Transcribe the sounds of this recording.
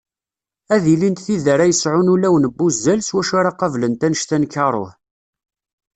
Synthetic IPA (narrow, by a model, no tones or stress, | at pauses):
æðilint̪θiðəɾæjəsʕʊnulæwənəbːuzːælswæʃaɾaqɑvlənt̪ænəʃt̪ænkːɑɾˤo̰ħ